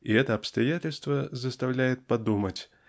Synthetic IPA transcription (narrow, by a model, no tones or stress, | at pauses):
iɛt̪əɐpst̪ɐjatʲɪlʲst̪vəzɐst̪awlʲæjɪt̪̚pɐd̪umət͡sʲ